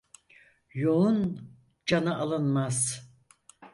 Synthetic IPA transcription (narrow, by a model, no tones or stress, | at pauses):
joun | d͡ʒanaʔalˠɯnmaz̥